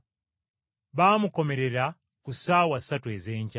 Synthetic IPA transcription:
βaːmuko̞me̞ɾe̞ɾa | kusaːwasatue̞zeːɲca

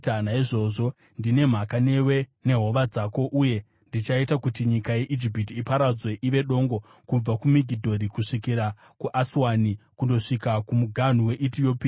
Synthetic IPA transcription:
naiʐo̞ʐo̞ | ndine̞m̤akane̞we̞ne̞ɦo̞ʋad͡zaːko̞ʔuje̞ | ndit͡ʃaitakutiɲikaje̞ʔid͡ʒip̬itiːpaɾad͡zwe̞ʔiʋe̞ɗo̞ŋɡo̞ | kub͡vakumiɡʱidʱo̞ɾikuʂikiɾa | kuʔaswanikundo̞ʂikakumuɡʱan̤uwe̞ʔitijo̞piː

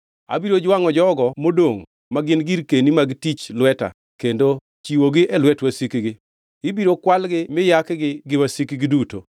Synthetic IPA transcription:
a̰biɾod͡ʒwaŋɔd͡ʒɔɡɔmodoŋ | maɡɪnɡiɾkenimaɡɪtit͡ʃlwɛta̰ | kendo | t͡ʃiwoɡɪʔɛlwɛtwasikiɡɪ | ɪbiɾokwalɡɪmɪjakɡɪɡɪwasikiɡɪduto

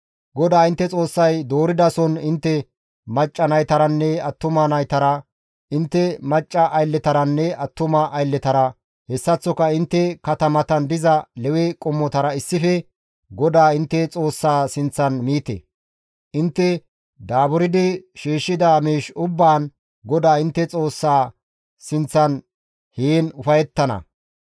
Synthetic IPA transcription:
ɡɔd̪aːɪnt̪ːɛt͡sʼo̞ːsːɐjd̪oːɾɪd̪ɐsɔnɪnt̪ːɛ | mɐt͡ʃʼːɐnɐjt̪ɐɾɐnːɛɐt̪ːʊmɐnɐjt̪ɐɾɐ | ɪnt̪ːɛmɐt͡ʃʼːɐʔɐjlːɛt̪ɐɾɐnːɛɐt̪ːʊmɐʔːjlːɛt̪ɐɾɐ | hɛsːɐt͡sːɔkɐɪnt̪ːɛkɐt̪ɐmɐt̪ɐnd̪ɪzɐlɛwɛkʼɔmːɔt̪ɐɾɐɪsːɪfɛ | ɡɔd̪aːɪnt̪ːɛt͡sʼo̞ːsːaːsɪnt͡sːɐnmiːt̪ɛ̰ | ʔɪnt̪ːɛ | d̪aːbʊɾɪd̪ɪʃiːʃːɪd̪aːmiːʃʊbːaːn | ɡɔd̪aːɪnt̪ːɛt͡sʼo̞ːsːaː | sɪnt͡sːɐn | heːnʊfɐjɛt̪ːɐnɐ̰

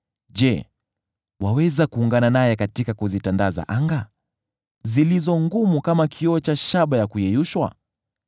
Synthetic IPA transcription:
d͡ʒɛ | wawɛzakuːŋɡananajɛkatikakuzitandaza̰ʔaŋɡa | zilizɔŋɡumukamakʰiɔt͡ʃaʃaɓajakujɛjuʃwa̰

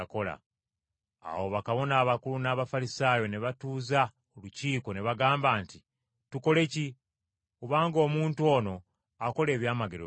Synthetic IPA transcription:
ko̞la̰ | a̰wo̞βakaβo̞naːβakulunaːβafalisaːjo̞neβatuːza | oluciːko̞ne̞βaɡaːmbaːnti | tuko̞le̞ci | uβaːŋɡo̞ːmuːntuo̞ːno̞ | ako̞le̞ːβjaːmaɡeɾo

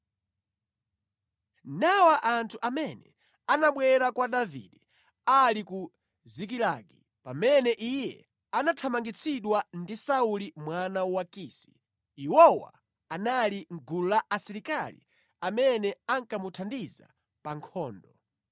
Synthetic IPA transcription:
nawaʔantʰuʔamɛnɛ̰ | anaɓwɛɾakwaɗavḭɗɛ | aliku | zik̬ilaɡi | pamɛnɛʔijɛ̰ | anatʰamaŋɡit͡sʰiɗwandisaulimwanawakiːsi̥ | iwɔwa̰ | analiŋ̩ɡululaʔasiɾikalḭ | amɛnɛaŋkamutʰandiza̰ | paŋkʰɔːndɔ

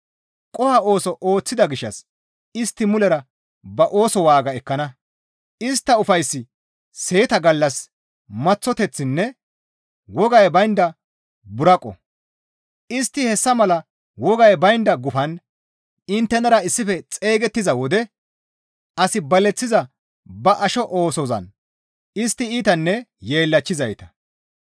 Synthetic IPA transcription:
kʼɔhɐo̞ːsɔʔo̞ːt͡sːɪd̪ɐɡɪʃːɐ̰s | ɪst̪ːɪmʊlɛɾɐ | bɐʔo̞ːsɔwaːɡɐɛkːɐnɐ | ɪst̪ːɐʊfɐjsːɪ | se̞ːt̪ɐɡɐlːɐs | mɐt͡sːɔt̪ɛt͡sːɪnːɛ | wɔɡɐjbɐjnd̪ɐ | bʊɾɐkʼːɔ̰ | ɪst̪ːɪhɛsːɐmɐlɐ | wɔɡɐjbɐjnd̪ɐɡʊfɐn | ɪnt̪ːɛnɐɾɐɪsːɪfɛt͡sʼe̞ːɡɛt̪ːɪzɐwɔd̪ɛ | ɐsɪbɐlɛt͡sːɪzɐ | bɐʔɐʃɔʔoːsɔzɐ̰n | ɪst̪ːɪiːt̪ɐnːɛje̞ːlːɐt͡ʃːɪzɐjt̪ɐ̥

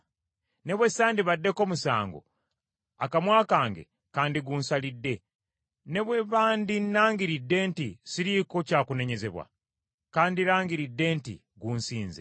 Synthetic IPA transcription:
ne̞βwesaːndiβadːe̞ko̞ːmusa̰ːŋɡo̰ | a̰kamwaːkaːŋɡe̞̰ | kaːndiɡuːnsalidːe̞ | ne̞βwe̞βaːndinːaːŋɡiɾidːe̞ːntisiɾiko̞caːkune̞ɲe̞ze̞βwa̰ | kaːndiɾaːŋɡiɾidːe̞ːntḭ | ɡuːnsiːnze̞̰

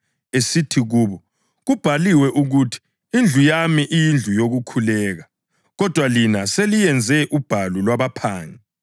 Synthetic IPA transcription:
esitʰiɣuːβɔ | ɣub̥ʱaliwɛʔuɣutʰi̥ | ind͡ɮʱujamiʔijind͡ɮʱujoɣukʰulɛːɣa | ɣɔd̥ʱwalinaselijɛnd͡zʱɛʔub̥ʱalulwaβapʰaːŋɛ

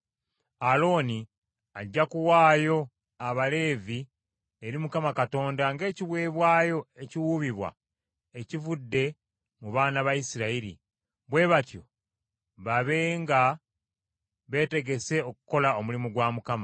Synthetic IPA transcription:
alo̞ːni | aɟːakuwaːjo̞ | aβale̞ːvi | eɾimukamakato̞ːndaŋɡe̞ːciβwe̞ːβwaːjo̞e̞ciwuβiβwa̰ | ecivudːe̞ | muβaːnaβajisiɾaiɾḭ | βwe̞βatjo̞ | βaβe̞ŋɡa | βe̞ːte̞ɡe̞se̞o̞ku̥ko̞lao̞mulimuɡwaːmukama

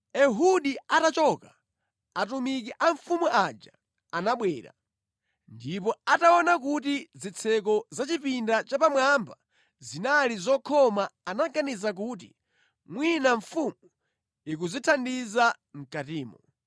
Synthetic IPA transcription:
ɛɦuɗiatat͡ʃɔka | atumik̬iʔaɱfumuʔad͡ʒa | anaɓwɛːɾa̰ | ndipɔataɔnak̬utizit͡sʰɛk̬ɔzat͡ʃipindat͡ʃapamwamba | zinalizɔkʰɔmaːnaɡanizak̬ut̬ḭ | mwinaɱfumu | ik̬uzitʰandiza | ŋ̩katiːmɔ

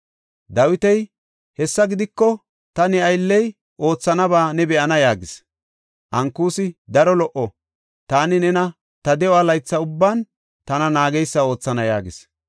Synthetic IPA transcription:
d̪ɐwɪt̪ɛj | hɛsːɐɡɪd̪ɪkːɔ | t̪ɐnɛɐjlːɛj | ʔo̞ːt͡sːɐnɐbaːnɛbɛʔɐnɐjaːɡɪs | ʔɐŋkːuːsɪd̪ɐɾɔlɔʔɔ | t̪aːnɪnɛnɐ | t̪ɐd̪ɛɔaːlɐjt͡sːɐʊbːaːn | t̪ɐnɐnaːɡɛjsːɐo̞ːt͡sːɐnɐja̰ːɡɪs

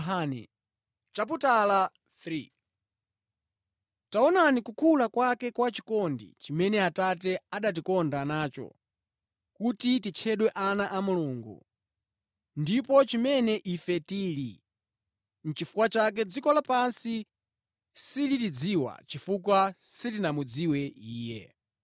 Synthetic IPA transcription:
anɛ̰ | t͡ʃap̬utala | θɾi | taɔnanikukʰulakwakɛkwat͡ʃi̥kɔndḭt͡ʃimɛnɛatat̬ɛaɗat̬ikɔndanaːt͡ʃɔ̰ | kutitit͡ʃʰɛɗwɛʔanaʔamuluːŋɡṵ | ndipɔt͡ʃimɛnɛʔifɛtiːli | n̩t͡ʃifu̥kwat͡ʃak̬ɛd͡zikɔlapansi | silitid͡ziwa̰t͡ʃifuk̬wasitinamud͡ziwɛiːjɛ̰

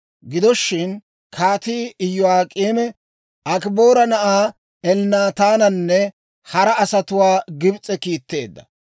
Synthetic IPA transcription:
ɡɪd̪ɔʃːɪn | kʰaːt̪iːɪjːʊaːkʼiːmɛ | ʔɐkboːɾɐnɐʔaː | ɛlnaːt̪aːnɐnːɛ | hɐɾɐɐsɐt̪ʊwaːɡɪbt͡sʼɛkiːt̪ːe̞̰ːd̪ːɐ̥̰

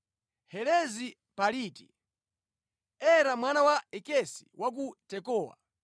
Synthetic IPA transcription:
hɛlɛzi | paliːtḭ | ɛɾamwanawaɛkɛsi̥wʔak̬utɛkɔːwa̰

